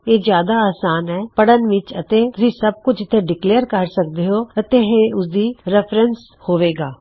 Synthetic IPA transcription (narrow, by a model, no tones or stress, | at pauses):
eːzjaːd̪aːaːsaːnɦɛːpəɽənʋɪt͡ʃət̪eːt̪sĩːsəb̚kʊt͡ʃʰɪt̪ʰːeːɖɪkleːəɾkəɾsək̚d̪eːɦoːət̪eːɦeːʊsd̪iːɾɛpʰɾəns | hoːʋeːɡaː